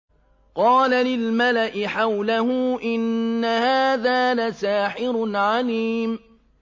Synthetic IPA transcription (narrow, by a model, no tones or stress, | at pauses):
qɑːlalɪlmalaʔɪħawlahʊːʔɪnːahaːðaːlasaːħɪɾnʕaliːm